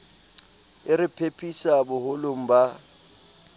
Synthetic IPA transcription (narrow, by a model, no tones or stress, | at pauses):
ɪɾɪpʰepʰʼisabʊhʊloŋ̩ba